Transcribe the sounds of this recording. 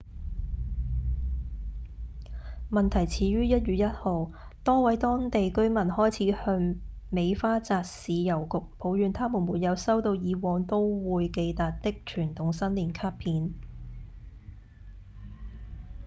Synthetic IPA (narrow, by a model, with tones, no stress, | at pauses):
mɐ˨nt̪ʰɐ˨˩jt͡sʰiː˨˥ɥyː˥jɐ˥t̚jyː˨t̚jɐ˥t̚ho˨w | t̪ɔː˥wɐ˨˥jt̪ɔː˥ŋt̪e˨jkɵ˥ɥmɐ˨˩nhɔː˥jt͡sʰiː˨˥hœː˧ŋ | me˨˧jfaː˥t͡saː˨˧k̚siː˨˧jɐ˨˩wkʊ˨k̚pʰo˨˥wjyː˨˧nt̪ʰaː˥mu˨˩nmuː˨˩t̚jɐ˨˧wsɐ˥wt̪o˧wjiː˨˧wɔː˨˧ŋt̪o˥wwuː˨˧jke˧jt̪aː˨t̚t̪ɪ˥k̚t͡ʃʰyː˨˩nt̪ʊ˨˧ŋsɐ˥nliː˨˩nkʰaː˥pʰiː˨˧n